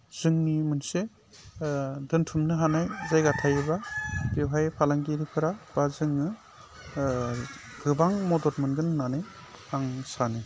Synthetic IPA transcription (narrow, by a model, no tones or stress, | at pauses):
z̥ɯŋnimɯnse | dɯntʰumnɯɦanajzajɡatʰajɯβapewɦajpʰalaŋɡiɾipʰɯɾab̥azɯŋɯ | ɡɯbaŋmɔdɔɾmɯnɡɯnnanɯ | aŋsanɯ